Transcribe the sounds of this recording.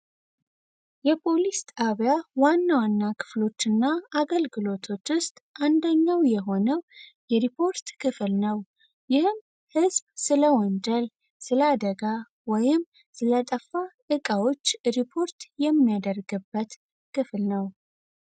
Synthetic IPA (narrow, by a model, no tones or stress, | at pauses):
jɛpʰo̞list̪ʼaβjawanːawanːakʰɨ̥flo̞t͡ʃːɨnːaaɡəlɡɨlo̞t̪ʰo̞t͡ʃːwʊst̪ʼʔand̪əɲːawjɛɦo̞nəwjɛɾipʰo̞ɾt̪kʰɨflnəw | jɪhɨm | hɨzbsɨləwɔnd͡ʒəl | sɨləad̪əɡa | wɔjɪm | sɨlət̪ʼəfːaʔɨkʼawo̞t͡ʃːɾipʰo̞ɾt̪jɛmːijad̪ərɡɨbːət̪ | kʰɨflnəw